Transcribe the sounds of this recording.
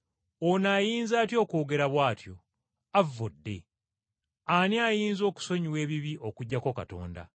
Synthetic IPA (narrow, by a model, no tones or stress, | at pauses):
onaːjiːnzaːtjo̞ːko̞ːɡe̞ɾaβwaːtjo̞̰ | avːodːe̞̰ | aniajiːnzo̞ːku̥so̞ɲiwe̞ːβiβiʔo̞kuɟːako̞ka̰to̞̰ːnda̰